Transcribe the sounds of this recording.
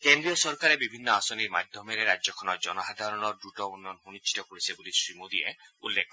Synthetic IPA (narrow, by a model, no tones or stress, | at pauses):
kend̪ɾiɔsɔɾkaɾebibʱinːɔasɔniɾmad̪ʱjɔmeɾeɾad͡ʒɔkʰɔnɔd͡ʒɔnɔxad̪ʱaɾɔnɔɾdɾuʈɔunːɔnɦunit͡ʃʰːi̥t̪ɔkoɽisebulisɾimud̪ieṵlːekʰɔ